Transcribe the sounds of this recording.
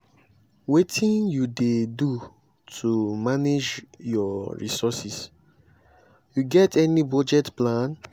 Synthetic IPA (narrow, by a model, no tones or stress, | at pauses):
wetʰĩnjudedu | tʰumaned͡ʒjɔɹḭsɔsis | juɡɛtʰɛnibɔd͡ʒɛtplãn